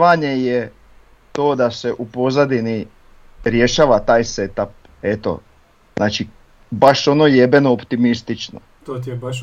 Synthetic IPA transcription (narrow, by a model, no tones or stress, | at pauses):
ʋaɲe̞je | t̪o̞ːd̪ase̞ʔupo̞zad̪ini | ɾje̞ʃaːʋat̪aːjset̪ap̚ | e̞t̪o̞̰ | znaːt͡ʃi | baʃo̞no̞jebenoːpt̪imist̪it͡ʃno̰ | t̪oːt̪ebaʃ